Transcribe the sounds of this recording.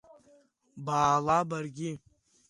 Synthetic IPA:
baːlabarɡʲi

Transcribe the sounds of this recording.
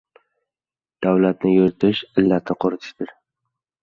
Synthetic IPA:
d̪̥awlat̪nɪjoɾt̪ʰɪʃɪlːat̪nɪqʰʊɾɪt̪ʰɪ̥ʃt̪ɪɾ

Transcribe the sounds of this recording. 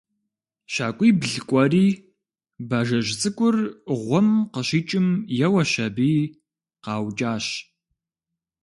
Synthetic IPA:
ʃaːkʷʼiːbɮɨkʷʼɔriː | baːʒɐʒt͡sʼɨkʷʼʊrʁʷɔmqəʃiːt͡ʃʼɪmjɛwɐʃɐbiː | qɑːwt͡ʃʼaːɕ

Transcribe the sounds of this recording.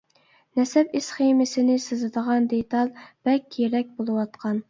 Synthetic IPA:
nɛsɛpɪsχemɪsɪnɪsɨzɨd̪əʁɑnd̪et̪ɑlˠb̥ɛkʲʰːɾɛk̚ʲbolˠɨwɑt̪qʰɑn

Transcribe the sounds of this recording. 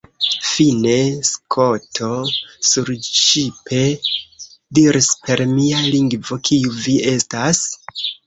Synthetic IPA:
fine̞skʰo̞tʰo̞suɾt͡ʃipʰe̞ | diɾispe̞ɾmialiŋɡvo̞kʰiuvie̞stas

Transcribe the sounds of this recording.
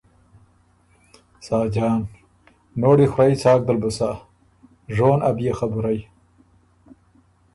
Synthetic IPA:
sɑːd͡ʒɑːnː | oːɽixwɾait͡sɑːk̚d̪albusa | ʐoːnabjexabʊɾaj

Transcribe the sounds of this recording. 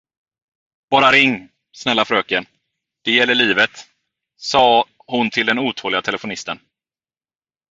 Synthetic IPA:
b̥ɑːɾaɾɪŋː | snɛlːafɾøːkən | d̪̥ɛjɛlːəɭiːvət̪ | sɑː | hʊnt̪ʰɪld̪ɛnuːt̪ʰoːlɪɡat̪ʰɛləfʊnɪst̪ən

